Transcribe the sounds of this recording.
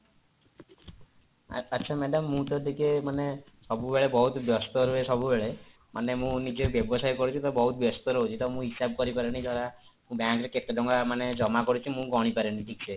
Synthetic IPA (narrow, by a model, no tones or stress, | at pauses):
tːt͡ʃʰamɛɖɔmːũt̪ɔd̪ikemane | sɔbubeɭebɔɦut̪bjɔst̪ɔɾuesɔbubeɭe | manemũnid͡ʒebjɔbɔsajkɔɾut͡ʃʰit̪ɔbɔɦut̪ɔbjɔst̪ɔɾɔɦut͡ʃʰit̪ɔmũɦisab̚kɔɾipaɾeɽ̃ĩd͡ʒ̪aɽamũbjaŋkɾeket̪eɖɔŋɡamaned͡ʒɔmakɔɾut͡ʃʰimũɡɔɽ̃ipaɾeɽ̃iʈʰik̚t͡ʃʰe